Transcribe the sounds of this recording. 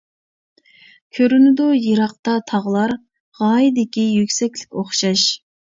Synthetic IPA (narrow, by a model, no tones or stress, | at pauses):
kʲʰøɾynɪd̪ujɨɾɑq̚t̪ɑt̪ʰɑʁlˠɑɾ | ʁɑːjid̪ɪkʲijykʲsɛkʲlɪ̥kʲoχʃɑʃ